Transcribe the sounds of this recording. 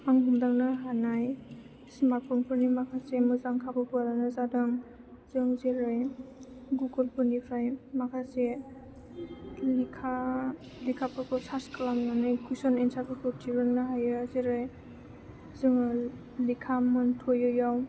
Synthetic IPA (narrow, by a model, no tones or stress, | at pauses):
aŋɦumdaŋnaɦanaj | simapʰɔŋpʰɯɾnimakʰasemɯzaŋkʰabɯpualanɯzadɯŋ | z̥ɯŋzeɾɯj | ɡuɡɔlpʰɔnipʰɾajmakʰase | likʰa | likʰapʰɔkʰɔsaskalamnanɯjkʰujsɔnensʰakʰɯkʰɔtʰiɾɯnːaɦajɯzeɾɯj | zɯŋ | likʰamɯntʰojɯjaw